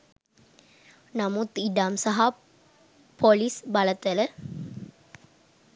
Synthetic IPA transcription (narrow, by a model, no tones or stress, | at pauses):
nɐmut̪ːiɖamsɐɦa | polisbɐlɐt̪ɐlə